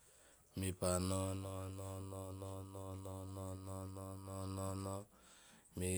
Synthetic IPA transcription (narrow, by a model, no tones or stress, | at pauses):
mipanɔnɔnɔnɔnɔnɔnɔnɔnɔnɔnɔnɔnɔ | mi